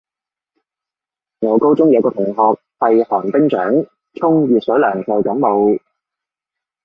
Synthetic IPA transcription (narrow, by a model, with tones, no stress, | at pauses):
ŋɔː˨˧wko˥wt͡sʊ˥ŋjɐ˨˧wkɔː˧t̪ʰʊ˨˩ŋɦɔː˨˧k̚hɐ˨jhɔː˨˩np̪ɪ˥ŋt͡ʃœ̰ː˨˥ŋ | t͡sʰʊ˥ŋjyː˨t̚sɵ˨˥wlœː˨˩ŋkʰɔ˨wt̪ɔ˨˥ŋmo˨˧w